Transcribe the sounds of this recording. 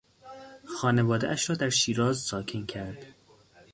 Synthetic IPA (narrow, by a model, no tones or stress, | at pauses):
xɒːnevɒːd̪eʔæʃɾɒːd̪æɾʃiːɾɒːzsɒːkʰincʰæɾd̪̥